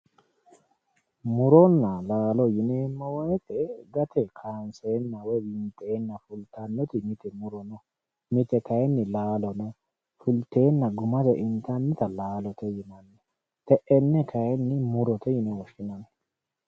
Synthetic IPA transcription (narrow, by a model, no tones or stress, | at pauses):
mʊɾɔnːɐlaːlɔjɪneːmːɐwɔjt̪ʰɛɡɐt̪ʰɛkʰaːnseːnːɐwɔjbɪnt̪ʼːe̞ːnːɐfʊlt̪ʰɐnːɛt̪ɪmɪt̪ɛmʊɾɔnɔ | mɪt̪ɛkɐjɛnːɪlaːlɔnɔ | fʊlt̪e̞ːnːɐɡʊmɐzɛʔɪnt̪ɐnːɪt̪ɐlaːlɔt̪ɛjɪnɐnːɛ | t̪ɛʔɛnːɛkʰɐjɛnːɪmʊɾɔt̪ɛjɪnɛwɔʃɪnɐnɛ